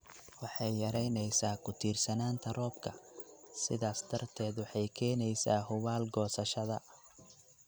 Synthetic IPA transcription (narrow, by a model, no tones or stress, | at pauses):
wɑħɑjːɐɾɛjnɛjsaːkʰʊt̪ʰiːrsɐnaːnt̪ʰɐrɔːbkʰɐsɪ̰ðaːsd̪ʰɐrt̪ʰɛːd̪wɑħɑjkʰɛːnɛjsaːhʊwaːlɡɔːsɐʃɐðɐ